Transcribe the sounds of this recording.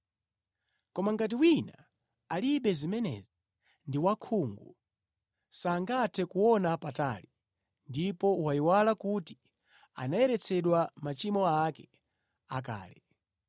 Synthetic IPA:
kɔmaŋɡat̬iwina̰ | aliɓɛzimɛnɛ̰zi | ndiwakʰuːŋɡu | saːŋɡatʰɛkuwɔnapata̰li | ndipɔwaiwalakuti̥ | a̰najɛɾɛt͡sʰɛɗwamat͡ʃimɔakɛ | ak̬a̰ːlɛ

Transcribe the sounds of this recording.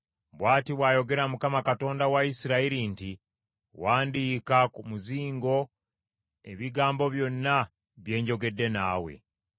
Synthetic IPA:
βwaːtiβwaːjo̞ɡe̞ɾamukamakato̞ːndawaisiɾaiɾinti | waːndiːkakumuziːŋɡo̞ | e̞̰βiɡaːmbo̞βjo̞nːa | βje̞ːɲɟo̞ɡe̞dːe̞na̰ːwe̞̰

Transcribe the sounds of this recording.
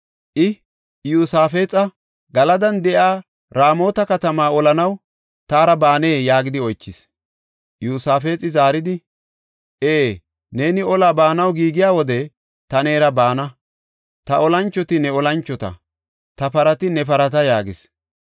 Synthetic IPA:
ʔɪ | juːsaːfe̞ːt͡sʼɐ | ɡɐlɐd̪ɐnd̪ɛʔaː | ɾaːmo̞ːt̪ɐkɐt̪ɐmaːɔlɐnɐw | t̪aːɾɐbaːne̞ːjaːɡɪd̪ɪɔjt͡ʃːɪs | juːsaːfe̞ːt͡sʼːɪzaːɾɪd̪ɪ | ʔeː | ne̞ːnɪɔlaːbaːnɐwɡiːɡɪjaːwɔd̪ɛ | t̪ɐne̞ːɾɐbaːnɐ | t̪ɐɔlɐnt͡ʃːɔt̪ɪnɛɔlɐnt͡ʃːɔt̪ɐ̰ | t̪ɐpɐɾɐt̪ɪnɛpɐɾɐt̪ɐjaːɡɪs

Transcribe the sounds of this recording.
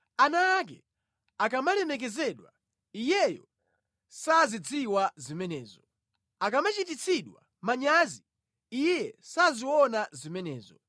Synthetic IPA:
anaːk̬ɛ | akamalɛmɛk̬ɛzɛɗwa | ijɛjɔ̰ | sazid͡ziwazimɛnɛːzɔ | akamat͡ʃitit͡sʰiɗwa̰ | maɲazi | ijɛsaziwɔnazimɛnɛːzɔ

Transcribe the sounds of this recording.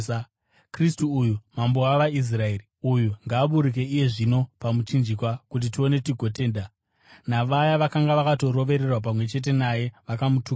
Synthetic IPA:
kristuujumamboaʋais̬rae̞riujuŋɡaːɓuɾik̬e̞ije̞ʐino̞pamut͡ʃind͡ʒikwakut̬itio̞ne̞tiɡʱo̞te̞ːnda | naʋajaʋakaŋɡaʋakato̞ɾo̞ʋe̞ɾe̞rwap̬amwe̞t͡ʃe̞t̬e̞naje̞ʋakamutuː

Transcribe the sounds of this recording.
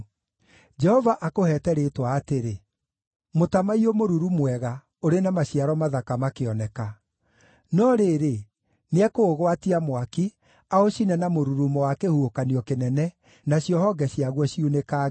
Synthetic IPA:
d͡ʒɛhɔvaʔakohɛːtɛɾetwaːteɾe | motamaiomoɾuɾumwɛɣa | oɾenamaɕiaɾɔmaðakamakeɔnɛka | nɔɾeɾe | neɛkoːɣwatiamwaki | aoɕinɛnamoɾuɾumowakehuokaniɔkenɛnɛ | naɕjɔhɔɡɛɕiaɣwɔɕiunekaː

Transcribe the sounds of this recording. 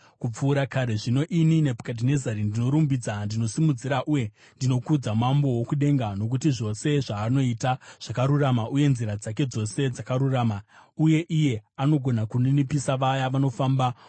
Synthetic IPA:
kup͡fuːɾakaɾe̞ʐino̞ʔininepḁkat̬ine̞zaɾindino̞ɾumbid͡zandino̞simud͡ziɾaʔuje̞ | ndino̞kud͡zamambo̞wokuɗe̞ŋɡano̞k̬utiʐo̞se̞ʐaːno̞itaʐ̥akaɾuramaʔuje̞nziɾad͡zak̬e̞d͡zo̞se̞d͡zakaɾuraːmauje̞ʔije̞ano̞ɡʱo̞nakuninipisaʋajaʋano̞faːmba

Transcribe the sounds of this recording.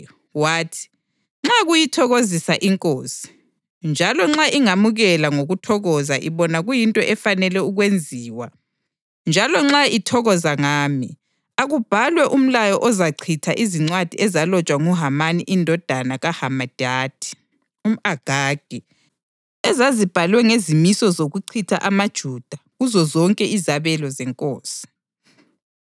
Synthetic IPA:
waːtʰi̥ | ŋ͡ǁaɣujitʰɔɣozisaʔiŋkʼoːsi̥ | nd͡ʒʱalɔŋ͡ǁaʔiŋamuɣɛlaŋoɣutʰɔɣɔzaʔiβɔnaɣujintʼɔʔɛfanɛlɛuɣwend͡zʱiːwa | nd͡ʒʱalɔŋ͡ǁaitʰɔɣɔzaŋaːmi | aɣub̥ʱalwɛʔum̩lajɔʔɔzaǀʰitʰaʔiziŋ͡ǀwad̥ʱiɛzalɔt͡ʃʼwaŋuɦamaniʔindʱɔd̥ʱanaɣahamad̥ʱaːd̥ʱi̥ | um̩aɡ̥ʱaːɡ̥ʱɛ | ɛzazib̥ʱalwɛŋezimisɔzoɣuǀʰitʰa̰ʔamad̥ʒ̥ʱuːd̥ʱaɣuzɔzɔŋkʼɛizaβɛlɔzɛŋkʼoːsi̥

